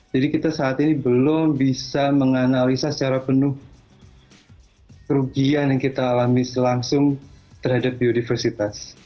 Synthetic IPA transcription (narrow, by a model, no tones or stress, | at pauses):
d͡ʒadikit̪asaːt̪inibəlʊmbisaməŋanalisasə̥t͡ʃaɾapənʊh | kəɾuɡianjaŋkit̪aːlamisəlaŋsʊŋt̪ərɦadap̚iunifərsit̪as